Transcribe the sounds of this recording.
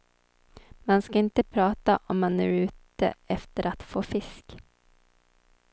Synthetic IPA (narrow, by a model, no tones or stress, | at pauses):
manskaɪnt̪əpʰɾɑːt̪aʔɔmːanːʉːʉ̟ːt̪ə̰ɛft̪əɾʔat̪foːfɪsk